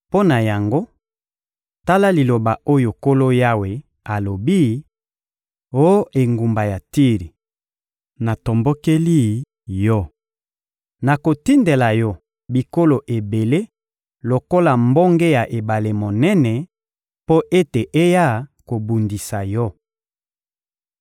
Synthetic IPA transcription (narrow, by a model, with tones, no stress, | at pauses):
po˦na˨ja˨ŋɡo˦ | ta˦la˦li˨lo˨ba˨o˦jo˨ko˦lo˦ja˦we˨ | a˨lo˨bi˦ | o˦e˨ŋɡu˨mba˨ja˨ti˦ʁi˨ | na˨to˨mbo˦ke˦li˦ | jɔ˦ | na˨ko˨ti˦nde˨la˨jɔ˦ | bi˨ko˦lo˨ʔe˨be˨le˦ | lo˨ko˦la˨mbo˦ŋɡɛ˦ja˨ʔe˨ba˨le˨mo˨nɛ˦nɛ˨ | po˦ʔe˦te˨ʔe˦ja˦˨ko˨bu˨ndi˨sa˨jɔ˦